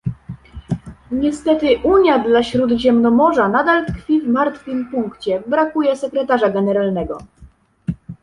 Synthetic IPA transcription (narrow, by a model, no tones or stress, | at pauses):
ɲɛst̪ɛt̪ɘʔuɲjad̪laɕɾud̪ʑɛmnɔmɔʐanad̪alt̪kfʲivmaɾt̪fʲɘmpuŋkt͡ɕɛbɾakujɛsɛkɾɛt̪aʐaɡɛnɛɾalnɛɡɔ